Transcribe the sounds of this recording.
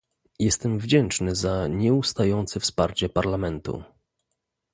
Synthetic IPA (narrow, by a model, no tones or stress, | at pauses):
jɛst̪ɛmvd͡ʑɛnt͡ʂnɘzaɲɛust̪ajɔnt̪sɘfspaɾt͡ɕɛpaɾlamɛnt̪ṵ